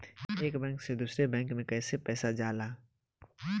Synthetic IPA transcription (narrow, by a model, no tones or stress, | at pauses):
eːkbɛ̃ːŋksed̪uːsɾebɛ̃ːŋkmẽkɛːsepɛːsad͡ʒaːlaː